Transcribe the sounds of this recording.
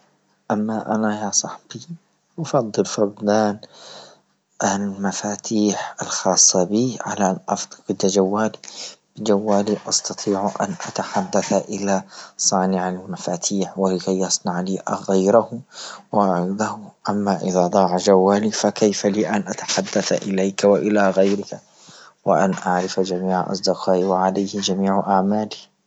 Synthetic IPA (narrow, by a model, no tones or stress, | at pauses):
ʔamːaʔa̰najasˤɑħb̥i | ʔʊfɑd̪ˤːɨlfɑbd̪aːn | ʔalmafaːt̪ʰiːħalxɑːsˤːɑbiːʕa̰laʔanʔɑ̰fd̪qd̪ad͡ʒawːaːlib̥ɪd͡ʒawːaːliʔɑst̪ɑt̪ˤʰiːʕʔa̰nʔa̰t̪aħad̪ːaθʔɪlasˤɑːnɪʕalmmafaːt̪ʰiːħwalɪkajːɑsˤnɑʕliːɣajɾahʊwad̪ahʊʔamːaʔɪ̰ðaːd̪ˤɑːʕad͡ʒawːaːliːfakajfaliːʔanʔat̪ḁħad̪ːaθaʔɪlajkawaʔɪlaɣajɾɪka | wɪʔa̰nʔaʕɾɪfad͡ʒamiːʕʔɑ̰sˤd̪ɪqɑːʔiwaʕalajhɪd͡ʒamiːʕʔaʕmaːli